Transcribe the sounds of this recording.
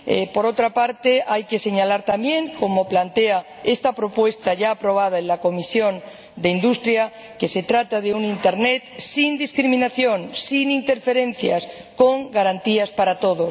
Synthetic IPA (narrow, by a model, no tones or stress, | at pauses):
ḛpo̞ɾo̞t̪ɾapaɾt̪e̞ajke̞se̞ɲalaɾt̪ambjẽ̞ŋko̞mo̞plant̪e̞a | e̞st̪apɾo̞pwe̞st̪aʝaːpɾo̞β̞að̞aenlako̞misjo̞n | d̪e̞ind̪ust̪ɾja | ke̞se̞t̪ɾat̪aðe̞unint̪e̞ɾne̞t̪sind̪iskɾimĩnaθjõ̞ŋsinint̪e̞ɾfe̞ɾẽ̞n̟θja̰s | ko̞ŋɡaɾant̪iaspaɾat̪o̞ðo̞